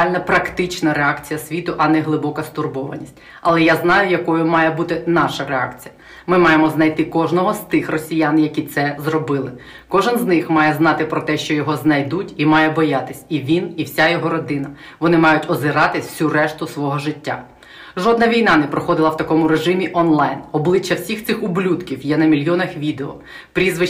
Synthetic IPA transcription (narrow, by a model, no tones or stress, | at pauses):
lʲnɐpɾɐkt̪ɪt͡ʃnɐɾeɑkt͡sʲijɐsʲʋʲit̪ʊʔɐnɛɦlˠɪbɔkɐst̪ʊrbɔʋɐ̰nʲisʲtʲ | ɐlˠɛjaznɑjʊjɐkɔjʊmɑjɛbut̪ɪnɑʃɐɾeɑ̰kt͡sʲijɐ | mɪmɑjemɔznɐjt̪ɪkɔʒnɔɦɔst̪ɪxrɔsʲijanjɐkʲit̪sɛzrɔbɪlˠɪ | kɔʒɪnznɪxmɑjɛznɑt̪ɪpɾɔt̪ɛʃt͡ʃɔjɔɦɔznɐjd̪utʲimɑjɛbɔjat̪ɪsʲiʋʲiniwsʲajɔɦɔɾɔd̪ɪnɐ | ʋɔnɪmɑjʊtʲɔzɪɾɑt̪ɪsʲurɛʃt̪ʊsʋɔɦɔʒɪtʲːa̰ | ʒɔd̪nɐʋʲijnɑnɛpɾɔxɔd̪ɪlˠɐwt̪ɐkɔmʊɾeʒɪmʲiʔɔnlˠɑjnɔblˠɪt͡ʃːɐwsʲixt̪sɪxʊblʲut̪kʲiwjɛnɐmʲilʲjɔnɐxʋʲid̪eɔ̰ | pɾʲizʋɪ